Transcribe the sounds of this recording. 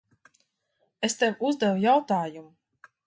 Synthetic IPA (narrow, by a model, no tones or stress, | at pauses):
est̪ewuzd̪ɛvujawt̪aːjumu